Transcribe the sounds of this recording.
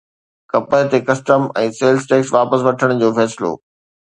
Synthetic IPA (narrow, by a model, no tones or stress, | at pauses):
kɐpəɦɪt̪ekɐsʈəmɛ̃ːseːlsʈeːksʋaːpəs̬ʋɐʈʰəɽ̃d͡ʑoːfɛːsɪlo̰ː